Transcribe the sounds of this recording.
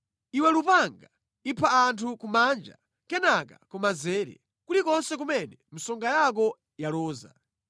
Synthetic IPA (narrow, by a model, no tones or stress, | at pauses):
iwɛlupaŋɡa | ipʰaantʰukumand͡ʒa̰ | kɛnaka̰kumazɛːɾɛ̰ | kulikɔnsɛkumɛnɛm̩sɔŋɡajak̬ɔ | jalɔːza̰